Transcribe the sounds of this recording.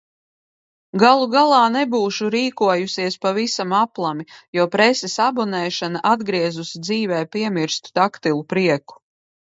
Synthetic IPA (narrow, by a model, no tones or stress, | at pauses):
ɡalˠuɡalˠɑːnɛbuːʃuɾiːkuɔjusiɛspavisamaplˠamijɔɔpɾɛsɛsabɔnɛːʃanaʔad̪ɡɾiɛzusid̪ziːvɛːpiɛmiɾst̪t̪akt̪ilˠupɾiɛku̥